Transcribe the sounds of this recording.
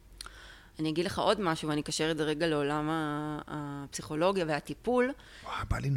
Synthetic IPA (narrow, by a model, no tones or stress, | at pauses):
anijaɡid̪le̞χaʔo̞dmaʃuveanikaʃeʁezeʁe̞ɡale̞o̞lamaː | psiχo̞lo̞ɡjaveat̪ipul | aba̰lin